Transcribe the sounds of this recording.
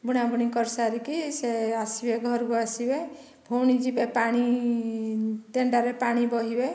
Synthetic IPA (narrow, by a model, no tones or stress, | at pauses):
buɽ̃abuɽ̃ikɔɾsaɾikiseasibeɡʱɔɾkuasibe | bʱowɽ̃id͡ʒibepaɽ̃i | ʈeɳɖaɾepaɽ̃ibɔɦibe